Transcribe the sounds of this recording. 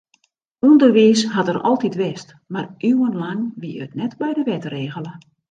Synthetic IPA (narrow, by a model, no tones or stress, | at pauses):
undərʋiːsɦatərɔ̰lˠtitʋɛst | marʔywənlaŋʋiətnɛtbɛjdəʋɛtreːɣələ